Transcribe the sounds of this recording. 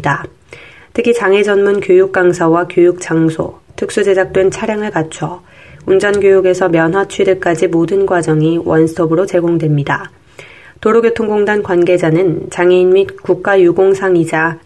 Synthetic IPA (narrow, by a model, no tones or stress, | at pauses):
da | tʰɯkʰit͡ɕaŋe̞d͡ʑʌnmunkjojuk͈̚aŋsʰawakjojuk̚t͡ɕ͈aŋsʰo̰tʰɯk̚s͈ud͡ʑe̞d͡ʑak̚t͈we̞nt͡ɕʰaɾjaŋɯɭkat͡ɕʰʌ | und͡ʑʌnɡjojuɡe̞sʰʌmjʌnɦwat͡ɕʰwidek͈ad͡ʑimodɯnɡwad͡ʑʌŋiwʌnsʰɯʌbɯɾot͡ɕe̞ɡoŋdwe̞mɲida | toɾoɡetʰoŋɡoŋdankwanɡe̞d͡ʑanɯnt͡ɕaŋeinmitkuk̚k͈ajuɡoŋsʰaŋid͡ʑa